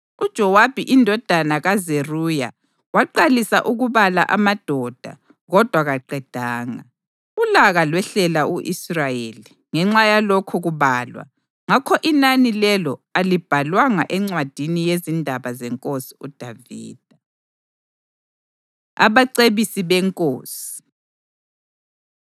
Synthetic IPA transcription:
ud̥ʒ̥ʱɔwab̥ʱiʔindʱɔd̥ʱanaɣazeruja̰ | waǃalisa̰ʔuɣuβala̰ʔamad̥ʱɔd̥ʱa̰ | ɣɔd̥ʱwaɣaǃɛd̥ʱaːŋa | ulaɣalwɛɬɛlauʔisrajeli | ŋɛŋ͡ǁajalɔkʰɔɣuβaːlwa̰ | ŋakʰɔʔinanilɛlɔalib̥ʱalwaŋa̰ʔɛŋ͡ǀwad̥ʱinijezindʱaβazɛŋkʼosi̥ud̥ʱavḭːd̥ʱa | a̰βaǀeβisiβɛŋkʼo̰ːsi̥i̥

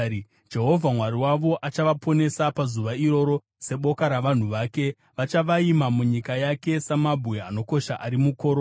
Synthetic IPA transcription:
d͡ʒe̞ɦo̞vʱamwaɾiwaʋo̞ʔat͡ʃaʋapʰo̞ne̞sapazuʋaiɾo̞ɾo̞ | se̞ɓo̞kaɾaʋan̤uʋaːke̞ | ʋat͡ʃaʋaimamuɲikajake̞samabʱweano̞ko̞ʃaʔaɾimuko̞ːɾ

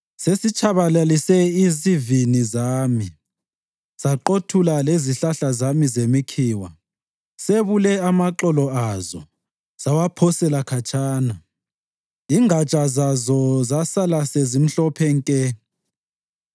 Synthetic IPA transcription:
sesit͡ʃʰʼaβalalisɛizivinizaːmi | z̥aǃotʰulaleziɬaɬazamizemikʰiːwa | seβulɛamaǃɔlɔazɔ | z̥awapʰɔsɛlakʰat͡ʃʼʰaːna | iŋat͡ʃʼazazɔzasalasezim̩ɬɔpʰɛŋkʼɛ

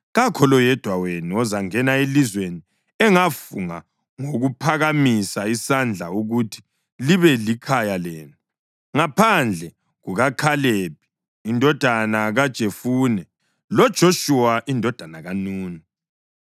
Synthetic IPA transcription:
ɣakʰɔlɔjɛd̥ʱwawenuɔzaŋɛnaelizweni | ɛŋafuŋa̰ | ŋoɣupʰaɣamisaisand͡ɮʱa̰uɣutʰi̥ | liβɛlikʰajalɛːnu | ŋapʰand͡ɮʱɛ | ɣuɣakʰalep̚ʰi̥ː | ndʱɔd̥ʱanaɣad̥ʒ̥ʱefuːnɛ | lɔd̥ʒ̥ʱoʃuwaʔindʱɔd̥ʱanaɣanuːni

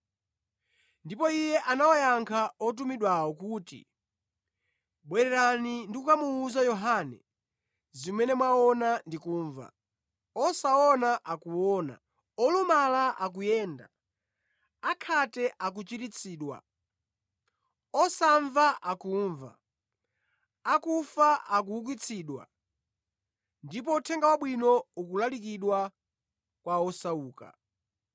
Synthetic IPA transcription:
ndipɔijɛʔanawɔjaŋkʰaɔt̬umiɗwawɔkuːtḭ | ɓwɛɾɛɾanindikukamuːzajɔɦanɛ̰ | zimɛnɛmwaɔnandikuːɱva̰ | ɔsaɔnaʔakuwɔːna̰ | ɔlumalaʔak̬ujɛːnda̰ | akʰatɛʔak̬ut͡ʃiɾit͡sʰiːɗwa̰ | ɔsaɱvaʔakuɱva̰ | akufaʔak̬uuk̬wit͡sʰiːɗwa̰ | ndip̬ɔutʰɛŋɡawaɓwinɔukulalikiɗwa | kwaɔsauːka̰

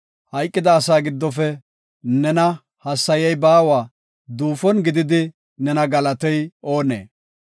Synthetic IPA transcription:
hɐjkʼːɪd̪ɐːsaːɡɪd̪ːɔfɛ | nɛnɐ | hɐsːɐjɐjbaːwaː | d̪uːfɔnɡɪd̪ɪd̪ɪ | nɛnɐɡɐlɐt̪ɔjo̞ːnḛː

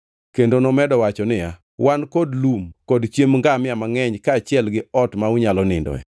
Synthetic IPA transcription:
kendonɔmɛdɔwat͡ʃɔnɪja | wankɔdlumkɔdt͡ʃemŋɡamɪamaŋɛɲkaːt͡ʃɪɛlɡɪɔtmauɲalɔnɪ̰ndɔ̰ɛ̰

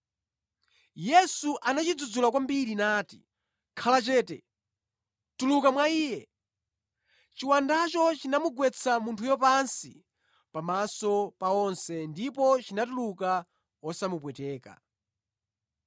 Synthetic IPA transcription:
jɛsuʔanat͡ʃid͡zud͡zulak̬wambiɾinaːtḭ | kʰalat͡ʃɛːtɛ̰ | tulukamwaiːjɛ | t͡ʃiwandat͡ʃɔt͡ʃinamuɡwɛt͡sʰamuntʰujɔpansḭ | pamasɔpaɔnsɛndipɔt͡ʃinatuluka | ɔsamupwɛtɛːka̰

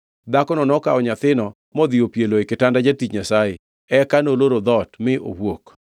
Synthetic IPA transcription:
d̪akɔnɔnɔkaɔɲat̪ɪnɔ | mɔd̪iopjeloekɪtandad͡ʒatit͡ʃɲasajɪ | ɛkanoloɾod̪ɔtmɪʔo̰wwok

